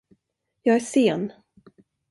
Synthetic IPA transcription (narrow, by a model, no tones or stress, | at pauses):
jɑːɡæʂeːn